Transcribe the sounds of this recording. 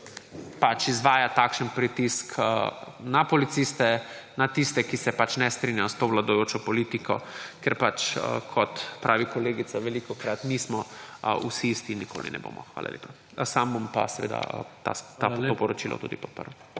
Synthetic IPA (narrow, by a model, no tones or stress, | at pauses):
pat͡ʃizʋaːjat̪aːkʃənpɾit̪iskənapɔlit̪sist̪ɛnat̪ist̪ɛkisɛpat͡ʃnɛst̪ɾinjast̪oʋlad̪ɔjoːt͡ʃɔpɔlit̪ikɔ̰kɛɾpat͡ʃə̰kʰɔt̪pɾʔaːʋikɔleːɡit̪saʋɛlikɔkɾat̪niːsmɔəusiist̪inikʰo̰ːlḭnɛ̰bo̰ːmɔ̰xʋa̰ːla̰lʲḛːpa | sambompa̰sɛʋḛːd̪a̰t̪a̰t̪aopɔɾɔt͡ʃilʔɔ̰t̪ṵːd̪ipɔ̥t̪̚pə̰ɾw